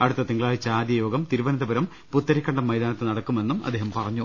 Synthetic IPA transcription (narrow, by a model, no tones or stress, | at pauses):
ɐɽut̪ːɐt̪iŋɡɐɭaːjit͡ɕaːd̪jɐjo̞ːɡɐmt̪iɾubɐnɐd̪ɐbɐɾɐm | put̪ːɐɾikʲːɐɳɖɐmːɐjd̪aːnɐt̪ːenɐɽɐkːume̞nːumɐ̰d̪ːeːɦɐmpɐrɐɲːu